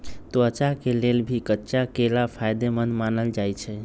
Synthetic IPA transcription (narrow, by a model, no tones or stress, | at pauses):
t̪oət͡ʃakelelbʱikətːt͡ʃakelapʰajd̪emənmanəld͡ʒajt͡ʃʰɛ